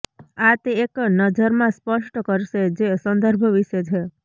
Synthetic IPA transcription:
at̪eeknəd͡ʒəɾmãspəʃʈkəɾʃed͡ʒesə̃nd̪əɾbʱəʋiʃet͡ʃʰe

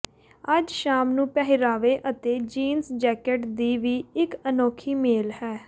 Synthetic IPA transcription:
əd͡ʒʃaːmnũːpɛːɦɪɾaːʋeːʔət̪eːd͡ʒiːnsd͡ʒɛːkeʈd̪iːʋiːɪkənoːkʰiːmeːlhɛː

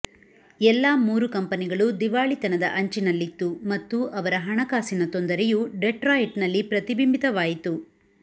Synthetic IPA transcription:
ɛlːaːmuːɾukɐmpɐniɡɐɭud̪iʋaːɭit̪ɐnɐd̪ɐ̰ʔɐɲt͡ʃinɐlːit̪ːumɐt̪ːuʔɐʋɐɾɐɦɐɳɐkaːsinɐt̪o̞nd̪ɐɾejuɖeʈɾaːjiʈnɐlːipɾɐt̪ibimbit̪ɐʋaːjit̪u

